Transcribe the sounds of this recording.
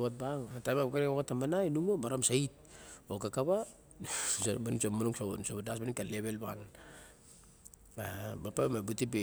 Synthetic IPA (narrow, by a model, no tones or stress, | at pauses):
at̚baŋatajmabkaɾeokatːamanajnumabaɾamsait̚okakaβa | smanusomanuŋsaonsoβadasbanikaleβe̞lban | abapamabutipe